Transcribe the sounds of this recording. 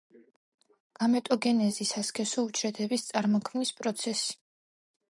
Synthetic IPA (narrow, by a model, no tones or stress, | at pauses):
ɡ̥amɛt̪ʼɔɡɛnɛzisaskʰɛsɔut͡ʃʰɾɛt̪ʰɛbist̪sʼaɾmɔkʰmnispʼɾɔt̪sʰɛsi̥